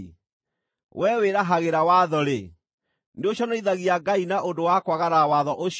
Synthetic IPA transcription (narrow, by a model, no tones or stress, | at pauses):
wʔɛweɾaɦaɣeɾawaðɔɾe | neoɕjɔnaiðaɣiaɡainaodowakwaɣaɾawaðɔʔoʃ